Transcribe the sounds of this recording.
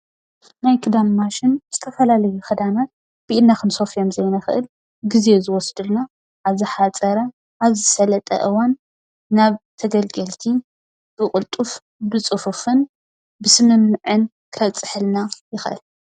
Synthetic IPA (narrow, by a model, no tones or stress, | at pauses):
najkʰɨd̪amːaʃɪnz̥ɨt̪ʰɐfɐlalɐjukʰɐd̪anat̪̚ | b̥iʔilnːakɨnso̞fijo̞mzɐjnaxɨ̰ʔɨl | ɡize̞zɨwɔsd̪ɨlna | ʔaβzɨħat͡sʼɐɾɐ | ʔaβzɨsɐlɐt̪ʼɐ̰ʔɨwanː | aβt̪ʰɐɡɐlɡɐlt̪ʰi | b̥ɨkʼɨlt̪ʼuf | bɨt͡sʼɨfufɨn | bɨsɨmɨmːɨʕɨn | kʰɐt͡sʼɨħɨlnajɪxʔɨ̰l